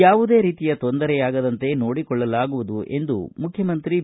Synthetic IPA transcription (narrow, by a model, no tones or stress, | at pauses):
jaːʋud̪e̞ːɾiːt̪ijɐt̪ond̪ɐɾɛjaːɡɐd̪ɐnt̪e̞no̞ːɽikɔɭːɐlaːɡuʋud̪uʔe̞nd̪ṵmukʰjɐmɐnt̪ɾi